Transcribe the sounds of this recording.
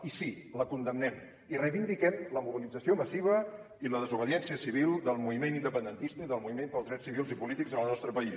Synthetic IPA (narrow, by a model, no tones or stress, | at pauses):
isiləkund̪əmnɛm | irəjβind̪ikɛmləmuβ̞ilid͡zəsioməsiβ̞ə | iləðəzuβəðiɛnsiəsiβ̞ilˠd̪əlˠmuβimenind̪əpənd̪ənt̪ist̪əiðəlˠmuβimend̪əlzðɾɛsiβilˠzipulit̪ikzənəlˠnɔst̪ɾəpəi